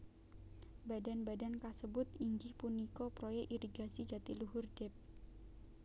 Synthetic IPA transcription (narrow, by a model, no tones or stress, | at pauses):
badanbadankasəbʊt̪iɲd͡ʒɪhpunikɔpɾojɛʔiɾiɡasid͡ʒat̪iluɦʊrd̥ɛp̚